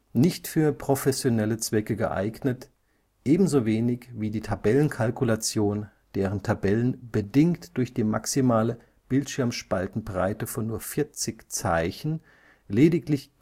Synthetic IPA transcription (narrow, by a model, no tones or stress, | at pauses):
nɪçtfyːɐpʁ̥ofɛsjonɛlət͡sv̥ɛkəɡə̰ʔa̰ɪɡnət | ʔeːbm̩zoveːnɪçviːdiːtʰabɛlənkʰalkulat͡sjoːn | d̥eːʁ̞əntʰabɛlənb̥ədɪŋktd̥ʊɐçd̥iːma̰ksimaːlə | b̥ɪltʃɪɐmʃpaltn̩bʁaɪtəfɔnːuːɐfɪɐt͡sɪçt͡saɪçn̩ | leːdɪklɪç